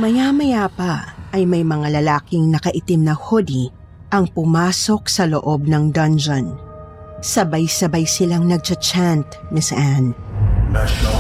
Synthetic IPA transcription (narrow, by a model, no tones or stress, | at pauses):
mɐjamɐjapɐʔɐjmɐjmɐŋalɐlaːkɪŋnɐkɐʔɪt̪ɪmnɐhod̪i | ʔɐŋpʊmaːso̞k̚sɐloʔo̞b̚nɐŋd̪ɐnd͡ʒɐn | sɐbajsɐbajsɪlaŋnɐɡ̚t͡ʃɐt͡ʃant̪̚nɪsʔan